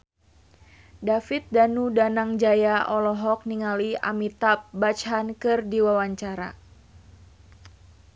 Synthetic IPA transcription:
dafit̪̚danudanaŋd͡ʒajaʔɔlɔɦɔk̚niŋalia̰mit̪ap̚bat͡ʃɦankɨrdiwawaɲt͡ʃaɾa̰

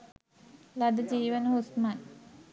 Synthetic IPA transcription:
lad̪əd͡ʑiːʋənəɦusman

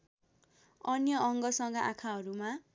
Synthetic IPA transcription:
ʌnjʌʌŋɡʌsʌŋɡʌʔakʰaɦʌɾuma

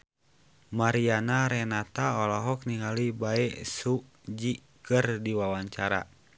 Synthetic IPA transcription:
maɾianaɾɛnat̪aɔlɔɦɔk̚niŋalibaɛsu | d͡ʒi | kɨrdiwawaɲt͡ʃaɾa̰

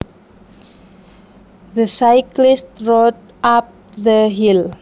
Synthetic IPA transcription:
ðəsaɪklistɹɔt | ap̚ | ðəɦil

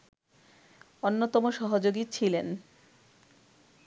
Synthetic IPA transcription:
onːot̪ɔmoʃɔɦod͡ʑoɡit͡ɕʰilen

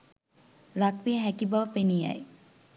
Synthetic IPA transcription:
lakʋijəɦækibɐʋəpenijɐ̰j

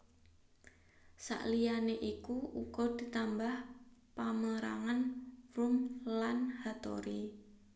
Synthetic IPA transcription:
sa̰ʔlijaneʔikuukɔd̪̥i̤t̪ambahpaməɾa̰ŋanrumlanhat̪o̰ɾi

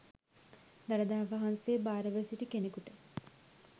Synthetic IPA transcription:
d̪aɾəd̪aːaʋaɦansejːbaːɾəʋəsiʈikenekuʈə

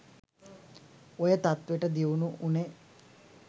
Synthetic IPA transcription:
ojət̪at̪ʋeʈəd̪iunuʔune

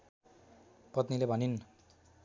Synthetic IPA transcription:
pʌt̪nilebʱʌnin

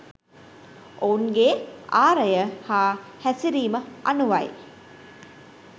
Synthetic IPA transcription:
ʔounɡeːʔaːɾɐjəhaːhæsiɾiːməanuʋaj

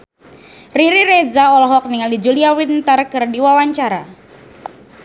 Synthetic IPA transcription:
riɾiɾezaɔlɔɦɔk̚niŋaldid͡ʒuliawint̪ərkɨrdiwawaɲt͡ʃaɾa

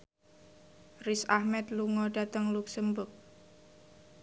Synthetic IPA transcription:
risahmɛt̪̚luŋɔɖa̤t̪əŋluksəmbʊrk̚

